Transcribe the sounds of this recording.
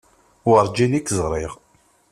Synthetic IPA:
əɾˤd͡ʒinikːzʁɾˤiʁ

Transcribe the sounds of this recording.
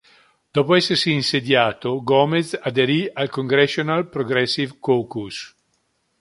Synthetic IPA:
d̪̥ɔːpoɛsːersiːnsed̪jaːt̪oɡɔmesad̪eɾialkoŋɡɾɛsjonalpɾoɡɾɛsːivkoːkus

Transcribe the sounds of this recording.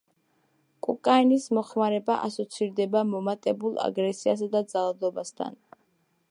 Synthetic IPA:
kʼukʼainismɔχmaɾɛbaʔasɔt̪sʰiɾd̪ɛbamɔmat̪ʼɛbulˠa̰ɡɾɛsias̬ad̪ad̪zalˠad̪ɔbast̪ʰa̰n

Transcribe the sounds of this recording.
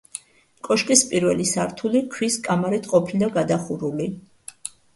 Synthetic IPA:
kʼɔʃkʼispʼiɾvɛlisaɾt̪ʰulikʰwiskʼamaɾɛt̪ʰqʼɔpʰilaɡad̪aχuɾuli

